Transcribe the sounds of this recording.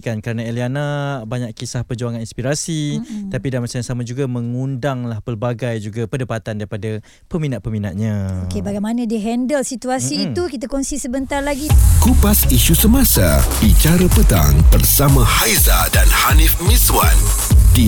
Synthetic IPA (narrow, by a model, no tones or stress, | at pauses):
kankəɾənaelianabaɲaʔkisahpərd͡ʒuaŋaninspiɾasit̪apidanmasaãsamad͡ʒuɡamə̃ŋundaŋlahpərbaɡajd͡ʒuɡapədapat̪andaɾipada | pəminaʔ̪̚pəminaʔ̪̚ɲãokebaɡajmanãdiəɦɛndəlsit̪uasiːt̪ukit̪̬akɔŋsisəbənt̪arlaɡikupasiʃusəmasabit͡ʃaɾəpət̪a̰ŋbərsamãhajzadanhanifmiswan | di